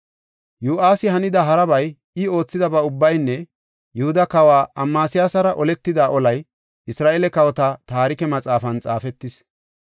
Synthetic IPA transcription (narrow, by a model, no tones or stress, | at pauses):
juːʔaːsɪhɐnɪd̪ɐɦɐɾɐbɐj | ɪo̞ːt͡sːɪd̪ɐbɐʊbːɐjnːɛ | jʊhʊd̪ɐkɐwaːɐmːaːsɪjaːsɐɾɐʔɔlɛt̪ːɪd̪aːʔɔlɐj | ʔɪsɾaːʔeːlɛkɐwɔt̪ɐt̪aːɾɪkɛmɐt͡sʼaːfɐnt͡sʼa̰ːfɛt̪ːɪs